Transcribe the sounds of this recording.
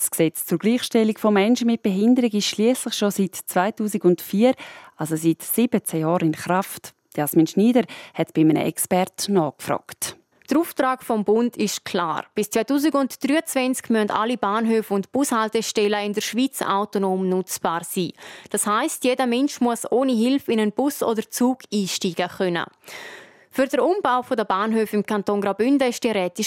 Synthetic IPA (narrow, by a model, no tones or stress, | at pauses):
sksɛt͡st͡sʊɾɡ̥liːχʃtɛlikfɔmɛnʃənmɪt̚b̥eɦɪndəɾɪɡɪʃliːəslɪχʃositt͡svaɪtuːsiɡʊntfiːɐɾʔalsositsib̥ət͡sɛjɑːɾɪnχɾaft | jasmiːnʃniːdəɾhɛtb̥ɪmənə̰ʔɛkspɛɾtnɑːkfɾɔ̰ːkt | d̥əɾuːftɾaːkfɔmbʊndɪʃkʰla̰ːɾb̥ɪst͡svaɪtuːz̬ɪɡʊntd̥ryːət͡svɛnt͡skmyənta̰libaːnɦøːfʊntb̥ʊshaltɛʃtɛləɪndəɾʃviːt͡sa̰ʊtonoːmnʊt͡sb̥aːɾsiːd̥ashaɪstjeːdəmɛnʃmuəsoːniɦɪlfɪnənb̥ʊsoːdəɾt͡suːɡ̥iːʃtiːɡ̥əχœnə̰ | fyɾd̥əɾumb̥aʊfɔdəbaːnɦøːfɪmkʰantoːnɡɾaʊbʏndəɪʃd̥iɾɛːtɪʃ